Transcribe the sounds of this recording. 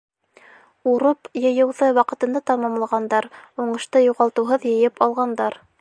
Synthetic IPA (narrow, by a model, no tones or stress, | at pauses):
uɾɤpjɤ̆jɤ̆wðɤwɑqɤ̆t̪ɤ̆nd̪ɑt̪ɑmɑmlˠɑʁɑnd̪ɑɾuɴɤ̆ʃt̪ɤjuʁɑlˠt̪ɤ̆wɦɤðjɤ̆jɘpɑlˠʁɑnd̪ɑɾ